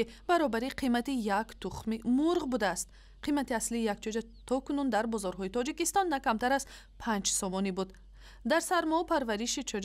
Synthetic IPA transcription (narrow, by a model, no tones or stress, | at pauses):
ib̥aɾɔbaɾiqʰimat̪ijakt̪uχmimuɾʁbud̪aːst̪̚ | qʰimat̪iasliːjak̚t͡ʃʰɔd͡ʒa | t̪ʰɔkunund̪aɾbɔzɔɾɦɔit̪ɔd͡ʒikist̪ɔnːakamt̪aɾaz | pʰãnd͡ʒsɔmɔnibud̪ | d̪aɾsaɾmɔpʰaɾvaɾiʃit͡ʃʰɔd͡ʒ